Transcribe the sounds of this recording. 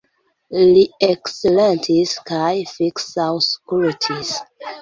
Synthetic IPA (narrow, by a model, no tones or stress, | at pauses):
liekselentʰiskajfiksawskɾutʰis